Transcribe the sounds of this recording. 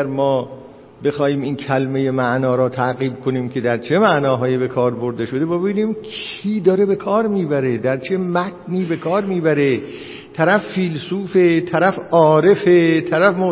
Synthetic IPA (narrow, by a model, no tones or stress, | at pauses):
æɾmɒː | be̞xɒːhiːmiːncʰælmeje̞mæʔnɒːɾɒːt̪ʰæʔɣiːb̚kʰo̞niːmcʰe̞d̪æɾt͡ʃʰe̞mæʔnɒːɦɒːjibe̞kʰɒːɾbo̞ɾd̪e̞ʃo̞d̪e̞bɒbebiːniːmkʰ | iːd̪ɒːɾe̞be̞kʰɒːɾmiːbæɾed̪æɾt͡ʃʰe̞mæt̪̚ʰniːbe̞kʰɒːɾmiːbæɾe̞ | t̪ʰæɾæfːiːlsuːfet̪ʰæɾæfɒːɾe̞fet̪ʰæɾæfmo